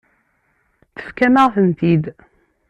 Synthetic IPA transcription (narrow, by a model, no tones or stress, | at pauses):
θə̥fkæməʁθənt̪id̪